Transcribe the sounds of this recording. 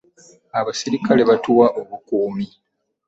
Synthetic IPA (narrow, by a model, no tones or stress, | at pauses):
aβasiɾikale̞βatuwaʔoβukuːmi